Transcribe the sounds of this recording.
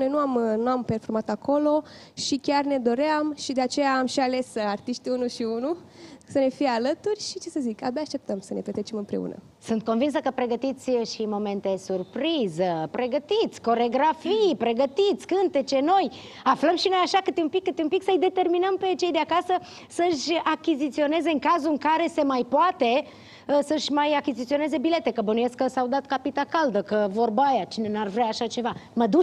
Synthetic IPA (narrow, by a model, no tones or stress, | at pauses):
no̞jnuamnuampe̞rfo̞rmat̪ako̞lo̞ʃikʲarne̞d̪o̞ɾeamʃid̪eat͡ʃe̞jaːmʃiale̞sart̪iʃt̪iunuʃiunusəne̞fijealət̪urʲʃit͡ʃe̞səzikabeaːʃt̪e̞p̚t̪əmsəne̞plet̪ɾet͡ʃe̞mɨmpɾe̞̰ṵnə̰ | sunt̪̚ko̞nvins̬əkəpɾe̞ɡət̪it̪sʲʃimo̞me̞nt̪esurpɾizəpɾe̞ɡət̪it̪sʲko̞ɾeɡɾafijpɾe̞ɡət̪it̪sʲkɨnt̪et͡ʃe̞no̞j | afləmʃino̞jaʃakɨt̪eumpikːɨt̪eumpiksəɨjd̪e̞t̪e̞rminəmpe̞t͡ʃe̞jd̪eakasə | səʃʲakʲizit̪sio̞ne̞ze̞ɨŋkazuɨŋkaɾe̞se̞majpoat̪e̞ | əsəʃʲmajakizit̪sio̞ne̞ze̞bile̞t̪e̞kəbənujeskːəsawd̪at̪kapit̪akald̪əkəvo̞rbajat͡ʃine̞narvɾeaːʃat͡ʃe̞vaməd̪u